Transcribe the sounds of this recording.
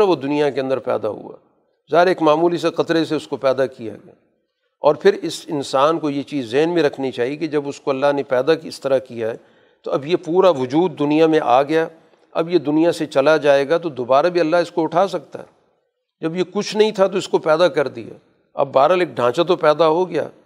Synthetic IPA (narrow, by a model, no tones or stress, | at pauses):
aʋod̪ʊnijakeɐ̃nd̪əɾpɛ̰ːd̪a̰ɦṵa̰ː | zaːɦɪɾeːkmaːmuːlis̬eqɐt̪ɾeseʊskopɛːd̪akija̰ɡɪaː | ɔːɾpʰɪɾɪsɪnsaːnkojet͡ʃiːzːeɦnmẽɾɐkʰnit͡ʃaːɦieked͡ʒɐbʊskoɐlːaɦnẽpɛːd̪akɪst̪ɐɾakijaɦɛ | t̪oɐbjepuːɾaʋʊd͡ʒuːd̪̚ːʊnijamẽʔaːɡɐjaː | ɐ̰bjed̪ʊnijaset͡ʃɐlad͡ʒaːeːɡat̪od̪oːbaːɾabʱiɐlːaɦɪskoʊʈʰaːsɐk̚t̪a̰ɦɛ̰ | d͡ʒɐbjekʊt͡ʃʰnɐɦĩt̪ʰat̪̬oɪskopɛːd̪akɐɾd̪ija̰ː | ɐ̰bːaːɾəleːk̚ɖʱãːt͡ʃat̪̬opɛːd̪aɦoɡɪja̰ː